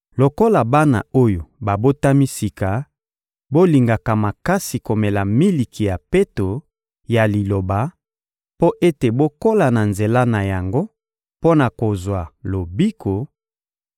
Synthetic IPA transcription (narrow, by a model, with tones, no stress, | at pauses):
lo˨ko˦la˨ba˦na̰˨o˦jo˨ba˨bo˦ta˦mi˦si˨ka˨ | bo˦li˨ŋɡa˨ka˨ma˨ka˦si˨ko˨mɛ˨la˨mi˦li˨kʰi˨ja˨pe˦to˨ | ja˨li˨lo˨ba˨˦ | po˦ʔe˦te˨bo˦ko˦la˨na˨nze˨la˦na˨ja˨ŋɡo˦ | po˦na˨ko˨zwa˨lo˨bi˦kʰo˨